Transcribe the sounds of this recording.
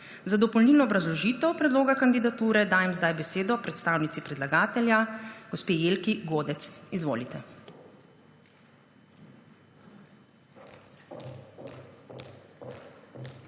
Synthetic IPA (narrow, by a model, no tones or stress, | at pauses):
zad̪ɔpɔlniːlnɔːbɾazlɔʒiːt̪ɛwpɾɛd̪loːɡakand̪id̪at̪uːɾɛd̪aːjɛmzd̪ajbɛseːd̪ɔpɾɛt̪st̪aːwnit̪sipɾɛd̪laɡaːt̪ɛljaɡ̥ɔspeːjeːlkiɡoːd̪ɛt̪sizʋo̰ːlit̪ɛ